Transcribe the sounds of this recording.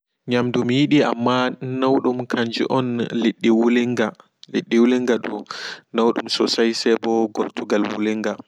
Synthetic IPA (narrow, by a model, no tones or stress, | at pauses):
ɲamdumjiɗia̰mːanawɗumkʰaɲd͡ʒḭʔɔnleɗːiwulɛŋɡa | leɗːiwulɛŋɡaɗṵnawɗṵmsɔsajsɛbɔɡɔɾtuɡalwṵlɛŋɡa